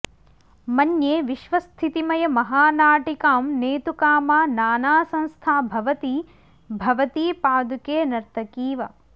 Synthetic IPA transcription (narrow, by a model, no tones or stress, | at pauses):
mɐnjeːʋiʃʋɐst̪ʰit̪imɐjɐmɐɦaːnaːʈikaːmneːt̪ukaːmaːnaːnaːsɐ̃ñst̪ʰaːbʱɐʋɐt̪iː | bʱɐʋɐt̪iːpaːd̪ukeːnɐɾt̪ɐkiːʋɐ